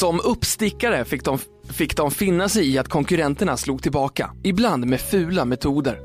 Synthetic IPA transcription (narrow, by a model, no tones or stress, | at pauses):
sɔmɵpːst̪ɪkːaɾəfɪkd̪ɔm | fɪkːd̪ɔmfɪnːasɛjɪat̪kʰɔŋkɵɾɛnt̪əɳasluːɡ̚t̪ʰɪlbɑːka̰ɪbland̪meːfʉ̟ːlamɛt̪ʰuːd̪ə̰ɾ